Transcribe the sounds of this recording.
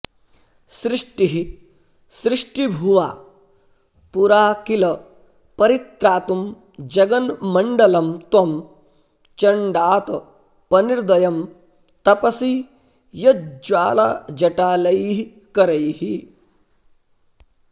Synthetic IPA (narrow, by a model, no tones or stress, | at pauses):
sɾɪʂʈiɦi | sɾɪʂʈibʱuʋa̰ː | puɾaːkilɐ | pɐɾit̪ɾaːt̪um | d͡ʒɐɡɐnmɐɳɖɐlɐmt̪wɐm | t͡ʃɐɳɖaːt̪ɐ | pɐniɾd̪ɐjɐm | t̪ɐpɐsi | jɐd͡ʒʋaːlaːd͡ʒɐʈaːlɐjɦi | kɐɾɐjhi